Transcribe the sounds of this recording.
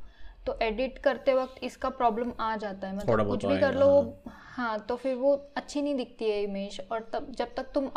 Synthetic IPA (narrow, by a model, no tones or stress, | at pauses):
t̪oʔeːɖɪʈkɐɾt̪eʋɐk̚t̪ɪskapɾɔːbləmaːd͡ʒaːt̪aɦɛmɐt̪lːɽbkʊt͡ʃʰbʱikɐɾloʋo | hãːt̪ofɪɾʋoɐtːʃʰinɐɦĩd̪ɪk̚ʰt̪iɦɛɪmeːʃɔːɾt̪ɐbd͡ʒɐb̚t̪ɐk̚t̪ʊm